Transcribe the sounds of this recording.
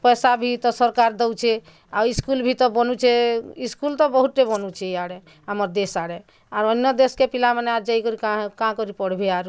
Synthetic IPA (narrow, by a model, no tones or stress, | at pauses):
pəjsabʱit̪ɔsəɾkaɾd̪ɔwt͡ʃʰɛ | aiskulbʱit̪ɔbɔnut͡ʃʰɛiskult̪ɔbəɦut̪ːebɔnut͡ʃʰɛaɽe | aməɾd̪esaɽe | aɾənːɔd̪eskepilaməneaɾd͡ʒaikɔɾikãɦkãkɔɾipɔɽ̤bʱeaɾ